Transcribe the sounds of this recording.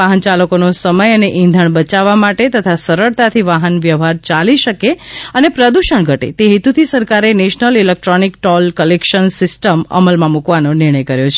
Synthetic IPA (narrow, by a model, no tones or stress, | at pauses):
aɦənt͡ʃaləkonosəməjəneʔĩnd̪ʱəɳbət͡ʃaʋːamaʈet̪ət̪ʰasəɾəɭt̪at̪ʰiʋaɦənʋjəʋɦaɾt͡ʃaliʃəkeənepɾəd̪uʃəɳɡʱəʈḛt̪eɦit̪ut̪ʰisəɾkaɾeneʃnəlilek̚ʈɾonikʈɔlkəlekʃənsɪsʈəmə̰məlmãmukʋanõnɪɾɳ̃əjkəɾjot͡ʃʰ